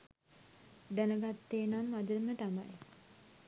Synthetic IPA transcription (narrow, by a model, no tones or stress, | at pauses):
d̪ænəɡat̪ːeːnamːad̪əmət̪amaj